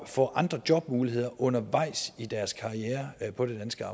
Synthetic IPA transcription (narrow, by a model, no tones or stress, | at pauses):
fɒ̰ːʔɑ̈nd̥ʁɐd̥jɒ̽b̥muːliɦe̝ð̞̰ˠɐʔɔ̽nɐʋɑ̈ɪ̰sid̥æɐskʰɑ̈ʁieːɐpʰɒ̽d̥e̝d̥ænsɡ̥əɑ̈ː